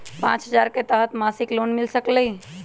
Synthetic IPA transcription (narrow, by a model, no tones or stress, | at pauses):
pã̰t͡ʃɦəd͡ʒaɾket̪əɦət̪masiklonmilsəkləi